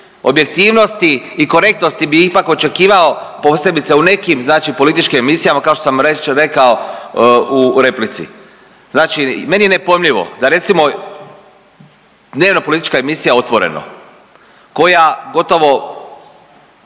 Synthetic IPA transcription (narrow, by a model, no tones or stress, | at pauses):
o̞bje̞k̚t̪iːʋno̞st̪iː | ko̞ɾe̞k̚t̪nost̪ibiipako̞t͡ʃe̞kiːʋao̞ | po̞se̞bit̪seune̞kimznaːt͡ʃipo̞lit̪it͡ʃkimemisijamakaoʃt̪osamɾeɾe̞kao | uɾe̞plit̪sḭ | znaːt͡ʃime̞nije̞nepojemʎiʋo̞̰d̪aɾe̞t̪simo̞ | d̪ne̞ːʋnopo̞lit̪i̥t͡ʃkaemisijaeo̞t̪ʋo̞ɾḛno̰ | ko̞jaɡo̞t̪o̞ʋo̞